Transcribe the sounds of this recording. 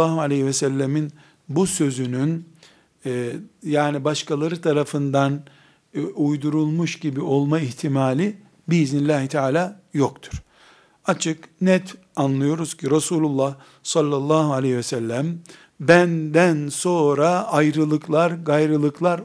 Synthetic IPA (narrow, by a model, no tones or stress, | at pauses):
aːɦualʲeivɛsɛlʲːemin | busø̞zynynː | jaːnibaʃkʰalˠaɾɯt̪ʰaɾafɯnd̪an | ujd̪uɾulˠmuʃɟibio̞lˠmaiçt̪ʰimaːlʲi | biiznilʲaːɦit̪ʰɛaːlʲaːjokt̪ʰu̥ɾ̥ | at͡ʃʰɯknɛt̪ʰ | anlˠɯjo̞ɾuz̥cʰiɾasuːlʲulˠːah | salˠːalˠːaːɦualʲehivɛsælʲːæm | bænd̪ænso̞ɾaajɾɯlˠɯklˠaɾɡajɾɯlˠɯklˠaɾ